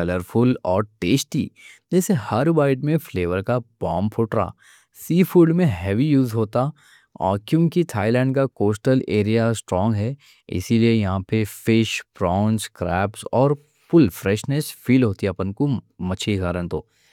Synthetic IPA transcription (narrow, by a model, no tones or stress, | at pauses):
kɐləɾpʰʊlɔːɾʈeːsʈḭd͡ʒɛːsehɐɾuʋaːɪʈmẽfleːʋəɾkabɔːmpʰʊʈɾa̰ː | siːfuːɖmẽɦɛːʋijuːzɦoːt̪a | ɔ̰ːkjũːmkit̪ʰaːɪlɛ̃ːɳɖkakoːsʈəleːɾijasʈɾɔ̃ːŋɡɦɛː | ɪ̰siliejɐɦãpefɪʃpɾɔːnskɾɛːpsɔːɾ | pʊlfɾɛːʃnɛsfiːlɦoːt̪iɛpənkomɐt͡ʃʰiɡaːɾə̃nt̪oː